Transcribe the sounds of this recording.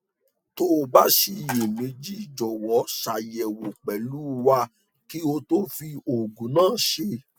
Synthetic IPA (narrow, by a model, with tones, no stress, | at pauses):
to˦˧ba˦ʃi˧˨je˨mẽ˨˧˦d͡ʒi˦˨d͡ʒɔ˨wɔ˨˦ʃa˨jɛ˨wo˨k͡pɛ˨lu˦˧wa˧˦ | ki˦o˧to˦fi˧o˨ɡũ˨˦nãː˦˨ʃe˧˦